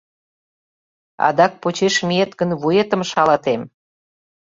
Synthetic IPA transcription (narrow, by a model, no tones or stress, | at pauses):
ɑ̰d̪ɑk̚pot͡ɕeʃmiet̪ɡə̆nβujet̪ə̆mʃɑlɑt̪em